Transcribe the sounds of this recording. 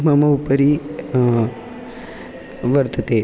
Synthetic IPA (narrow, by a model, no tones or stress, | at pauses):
mɐmɐupəɾi | ʋəɾt̪ʰət̪e